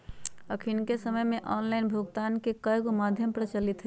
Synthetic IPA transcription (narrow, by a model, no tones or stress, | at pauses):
əkʰinkesəməjmeʔɔnlaɪnbʱuɡt̪ankekəjɡomad̪ʱjəmpɾət͡ʃəlit̪ɦɛ